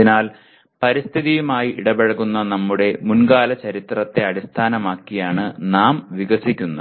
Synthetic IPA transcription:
inaːl | pɐɾist̪ʰiðijumaːjiʔiɽɐbeɻɐɣunːɐnɐmːuɽe̞munɡaːlɐt͡ɕɐɾit̪rɐt̪ːe̞ɐɽist̪ʰaːnɐmaːkːijaːɳɨnaːmʋiɣɐsikʲːunːɐ

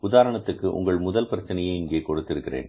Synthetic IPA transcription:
ʊðaːɾɐɳɐt̪ːɯkːɯʔʊ̰ŋɡɐɭmʊðɐlpɐɾɐt͡ʃːɐnɐjɐɪɪŋɡeːkɔɽɯt̪ːɪɾɯkːɪrḛːn

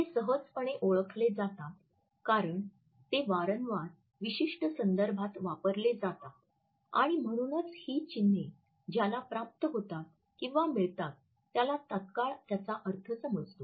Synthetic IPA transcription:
t̪esəɦəd͡zpəɳ̃eʔoɭəkʰled͡zat̪at̪ | kaɾəɳ | t̪eʋaɾənʋaɾ | ʋiɕiʂʈəsənd̪əɾbʱat̪ʋapəɾled͡zat̪at̪ | a̰ɽ̃im̤əɽ̃uːnət͡shiːt͡ɕinːe | d͡ʑjalapɾap̚t̪əɦot̪at̪̚ | kĩw̃ʋamiɭt̪at̪ː | jalat̪at̪kaɭt̪jat͡saʔəɾt̪ʰəsəməd͡zt̪o

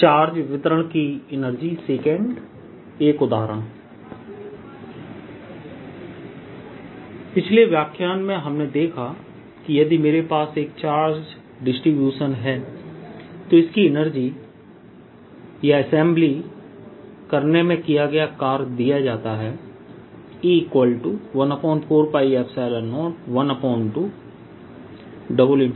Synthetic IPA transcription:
t͡ʃaːɾd͡ʒʋɪt̪əɾəɽ̃kiɪnəɾd͡ʒiseːkẽɳɖ | eːkʊd̪aːɾə̃ː | pɪt͡ʃʰleʋjaːkʰjaːnmẽɦɐmned̪eːkʰa | kijɐd̪imeːɾepaːseːk̚t͡ʃaːɾd͡ʒ | ɖɪsʈɾibjuːʃənɦɛː | t̪oɪskiɪnəɾd͡ʒi | jaɐsɛ̃ːmbli | kɐɾnemẽkijaɡɐjakaːɾd̪ijad͡ʒaːt̪aɦɛː | ikwəlʈuʋɐnəpɔ̃ːɪɳʈfʰoːɾpaːiɛpsaːlənɔːʈ̚ʋɐnəpɔːɳʈʈu | ɖəbəlɪ̃

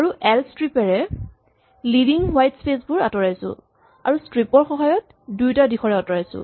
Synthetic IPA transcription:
aɹuʔɛlstɹipɛɹɛ | lidiŋwajtspesbʊɹa̰tɔɹajsʊ̰̃ | a̰ɹustɹipɔɹxɔɦajɔt̚ | dujtadixʰɔɹɛɔtɔɹajsʊ̰̃

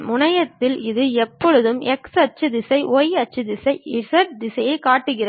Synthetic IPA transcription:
mʊɳɐjɐt̪ːɪlɪðɯɛpːɔɻɯðɯmɛksɐt͡ʃːɯd̪ɪsɐɪʔoːjɐt͡ʃːɯd̪ɪsɐɪɪsɐɾʈ̚d̪ɪsɐjeːkaːʈːɯɣɪrɐ

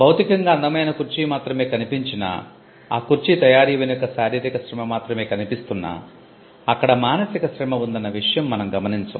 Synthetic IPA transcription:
bʱɐwt̪ikɐŋɡaːɐnd̪ɐmɐjnɐkuɾt͡ʃimaːt̪ɾɐme̞ːkɐnipiɲt͡ʃinɐ̰ | aːkuɾt͡ʃit̪ɐjaːɾiːʋenjokːɐsaːɾeːd̪ikɐʃɾɐmɐmaːt̪ɾɐme̞ːkɐnipist̪unːa̰ | ɐkːɐɽɐmaːnɐsikɐʃɾɐmɐʋund̪ɐnːɐʋiʂɐjɐmːɐnɐmɡɐmɐniɲt͡ʃɐ̰m

